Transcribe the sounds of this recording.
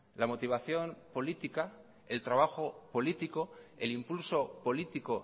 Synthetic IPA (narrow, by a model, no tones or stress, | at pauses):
lamo̞t̪iβ̞aθjo̞npo̞lit̪ika | e̞lt̪ɾaβ̞axo̞po̞lit̪ikoe̞limpulso̞po̞lit̪iko